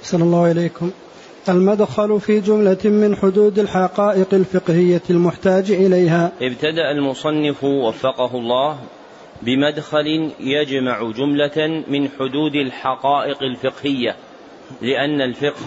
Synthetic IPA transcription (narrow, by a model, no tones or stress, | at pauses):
ʔʔaħsanɑlˤːaːhʔɪlejːkʊm | ʔalmad̪xalfiːd͡ʒʊmlamɪnħʊd̪uːd̪alħɑqɑːʔɪqalfɪqhɪjːalmʊħt̪aːd͡ʒʔɪlajhaːʔɪbt̪ad̪aʔalmʊsˤɑnːɪfwafːɑqɑɦʊlˤːɑːh | bɪmad̪xalɪjad͡ʒmaʕʊd͡ʒʊmlamɪnħʊd̪uːd̪alħɑqɑːʔɪqalfɪqhɪjːa | lɪʔanːalfɪqh